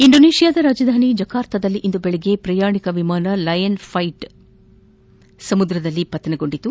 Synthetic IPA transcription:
iɳɖoneːʂijaːd̪ɐɾaːd͡ʒɐd̪ʱaːnid͡ʒɐkaːɾt̪ʰɐd̪ɐlːiʔind̪ubeɭɛɡe̞pɾɐjaːɳikɐʋimaːnɐlɐjɐnfʰɐjʈ | sɐmud̪ɾɐd̪ɐlːipɐt̪ːɐnɐɡo̞ɳɖit̪u

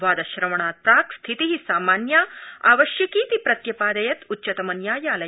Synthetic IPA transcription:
ʋaːd̪ɐʃɾɐʋɐɳaːt̪̚paːkst̪ʰit̪iɦisaːmaːnjaːa̰ːʋɐʃjɐkiːt̪ipɾɐt̪jɐpaːd̪ɐjɐt̪utːt͡ʃːɐt̪ɐmɐnjaːjaːlɐ

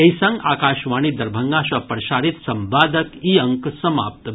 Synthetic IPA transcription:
ejsɐ̃ŋɡaːkaːʃʋaːɳ̃id̪ɐɾbʱɐŋɡaːʃɐpɾʃaːɾit̪sɐmbaːd̪əkiːɐŋksɐma̰ːp̚t̪

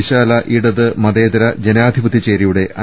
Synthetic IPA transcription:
iɕaːlɐʔiɽɐðɨmɐdeːd̪ɾɐd͡ʑenaːd̪ʱibɐt̪ːit͡ɕeːɾijuɽe̞ʔʔɐ

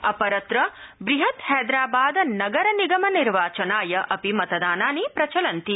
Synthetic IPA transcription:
ɐpɐɾɐt̪ɾɐbɾiɦɐt̪hɛːd̪ɾaːbaːd̪ɐnɐɡɐɾɐniɡɐmɐniɾʋaːt͡ʃɐnaːjɐʔɐpimɐt̪ɐd̪aːnaːnipɾɐt͡ʃɐlɐnt̪i

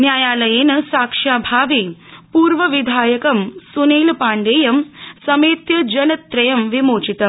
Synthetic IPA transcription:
njaːjaːlɐjeːnɐsaːkʂaːbʱaːʋiːpuːɾʋɐʋid̪ʱaːjɐkɐmsuneːlpaːɳɖeːjɐmsɐmeːt̪jɐd͡ʒɐnɐt̪ːɾɐjɐmʋimoːt͡ʃit̪ɐm

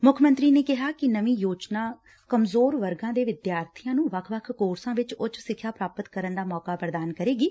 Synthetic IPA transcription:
mʊkʰmə̃nt̪ɾiːneːkɪɦaːkɪnəʋĩːjoːd͡ʒnaː | kəmzoːɾʋəɾɡãːd̪eːʋɪd̪jaːɾt̪ʰijãːnũːʋəkʰʋəkʰkoːɾsãːʋɪt͡ʃot͡ʃsɪkʰːjaːpɾaːpət̪kəɾənd̪aːmɔːkaːpəɾd̪aːnkəɾeːɡiː

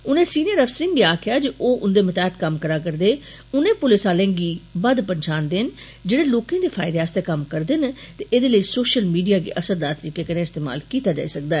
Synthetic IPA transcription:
ʊnẽːsiːnijəɾəpʰsəɾɪ̃ŋɡɡiːaːkʰɪjaːd͡ʒiʔoːʔʊnd̪eːmət̪aːt̪kəmkəɾaːkəɾd̪eː | ʊnẽːpʊlɪsaːlẽːŋɡiːbəd̪pəɲt͡ʃaːnd̪ɪn | d͡ʒeːɽeːloːkẽd̪eːpʰaːɪd̪eːɦaːst̪eːkəmkəɾd̪ɪnt̪eːʔeːd̪eːləiːsoːʃəlmiːɖijaːɡḭːʔəsəɾd̪aːɾt̪əɾiːkeːkənẽːɪst̪eːma̰ːlkiːt̪aːd͡ʒa̰ːisək̚d̪aɛː

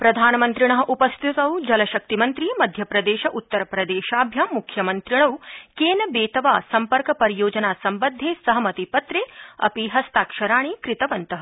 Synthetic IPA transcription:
pɾɐd̪ʱaːnɐmɐnt̪ɾiɳ̃ɐɦɐ̆ʔupɐst̪ʰit̪ɐwd͡ʒɐlɐʃɐk̚t̪imɐnt̪ɾimɐd̪ʱjɐpɾɐd̪eːʃɐʔut̪ːɐɾɐpɾɐd̪eːʃaːbʱjamukʰjɐmɐnt̪ɾiɳ̃ɐwkeːnɐbeːt̪ɐʋaːsɐmpɐɾkɐpɐɾijoːd͡ʒɐnaːsɐmbɐd̪ʱːeːsɐɦɐmɐt̪ipɐt̪ɾeːɐ̰piɦɐst̪aːkʃɐɾaːɳ̃ikɾɪt̪ɐʋɐnt̪ɐɦɐ

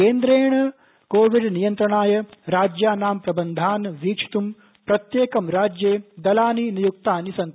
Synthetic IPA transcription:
eːnd̪ɾeːɳɐ | koːʋiɖnijɐnt̪ɾɐɳaːjɐɾaːd͡ʒjaːnaːmpɾɐbɐnd̪ʱaːnʋiːkt͡ʃʰi̥t̪um | pɾɐt̪jeːkɐmɾaːd͡ʒjeːd̪ɐlaːninijuk̚t̪aːnisɐnt̪

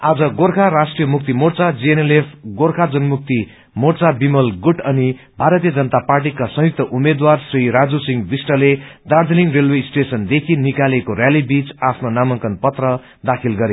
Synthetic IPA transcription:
ad͡zʌɡorkʰaɾasʈrijʌmuk̚t̪imort͡sad͡zienelepʰɡorkʰad͡zʌnmuk̚t̪i | mort͡sabimʌlɡuʈʌni | bʱaɾʌt̪ijʌd͡zʌnʌt̪aparʈ̬ikasʌ̃ɦjuk̚t̪ʌʔumed̪warsriɾad͡zusiŋbisʈʌled̪ard͡z̪ʱʌniŋrelwesʈesʌnd̪ekʰinikalekoɾjalibit͡sapʰnonamʌŋkʌnpʌt̪rʌ | d̪akʰilɡʌɾe

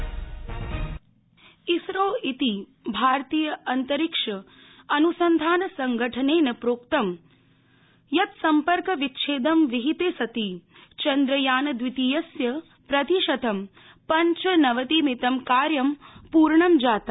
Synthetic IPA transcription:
isɾoːit̪i | bʱaːɾt̪iːjɐɐnt̪ɐɾikʂɐ | ɐnusɐnd̪ʱaːnɐsɐŋɡɐʈʰɐneːnɐpɾoːk̚t̪ɐm | jɐt̪sɐmpɐɾkɐʋitːʃʰeːd̪ɐmʋiɦit̪eːsɐt̪it͡ʃɐnd̪ɾɐjaːnɐd̪ʋit̪ijɐsjɐ | pɾɐt̪iʃɐt̪ʰɐm | pɐɲt͡ʃɐnɐʋɐt̪iːmit̪ɐmkaːɾjɐmpuːɾɳɐmd͡ʒaːt̪ɐ

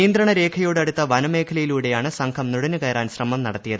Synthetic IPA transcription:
iːnd̪rɐɳɐɾe̞ːkʰɐjo̞ːɽɐɽut̪ːɐʋɐnɐme̞ːkʰɐlɐjiluːɽe̞jaːɳɨsɐŋkʰɐmnuɽɐnukɐjɐɾaːnɕrɐmɐmnɐɽɐt̪ːijɐðɨ

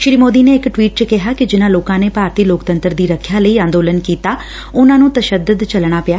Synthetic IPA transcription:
ʃɾiːmoːd̪iːneːɪkʈʋiːʈ̚t͡ʃəkɪɦaːkɪd͡ʒɪnãːloːkãːneːpaːɾt̪iːloːkt̪ə̃nt̪əɾd̪iːɾəkʰjaːləiːãːnd̪oːlənkiːt̪aː | ʊnãːnũːt̪əʃəd̪ʊd̪t͡ʃəlɽ̃aːpɪjaː

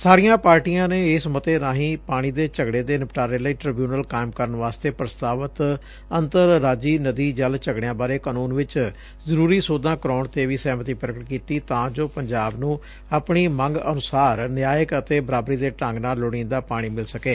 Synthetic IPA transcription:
saːɾijãːpaːɾʈijãːneːɪsmət̪eːnãːɦĩːpaːɽ̃iːd̪eːt͡ʃəɡɽeːd̪eːnəpʈaːɾeːləiːʈɾɪbjuːnəlkaːɪmkəɾəɳʋaːst̪eːpɾəst̪aːʋət̪ | ənt̪əɾːaːd͡ʒiːnəd̪iːd͡ʒəlt͡ʃəɡɽejãːbaːɾeːkaːnuːnʋɪt͡ʃ | zəɾuːɾiːsoːd̪ãːkəɾaːʊɳt̪eːʋiːsɛːmət̪iːpɾəkəʈkiːt̪iːt̪ãːd͡ʒoːpəɲd͡ʒaːbnũː | apɳiːməŋɡənʊsaːɾnɪjaːjəkət̪eːbəɾaːbɾiːd̪eːʈə̃ŋɡnaːlʊɽ̃ĩːnd̪aːpaːɽ̃iːmɪlsəkeː

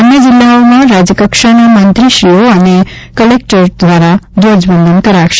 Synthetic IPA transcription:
ʌnjʌd͡zilːaomaɾad͡zʌkʌksʌnʌmʌnt̪risioʌnikʌlek̚ʈʌrd̪ʱwaɾad̪od͡zbʌnd̪ʱʌnkʌɾaksʰ

